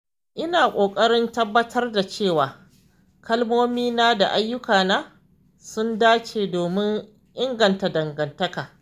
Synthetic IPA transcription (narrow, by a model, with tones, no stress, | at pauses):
ʔɪ˦naː˨kʷʼoː˨kʼɐ˦ɽɪ˦ntɐ˦bːɐ˦tʰɐ˦rda˨t͡ʃeː˦˨waː˨ | kʰɐ˦lmoː˦miː˦naː˦da˨ʔa˦jːʊ˦kaː˨naː˦ | sʊ˦ndaː˦t͡ʃeː˨doː˨mɪ˦ŋ | ʔɪ˦ŋɡɐ˨nta˨dɐ˨ŋɡɐ˨ntɐ˦kaː˨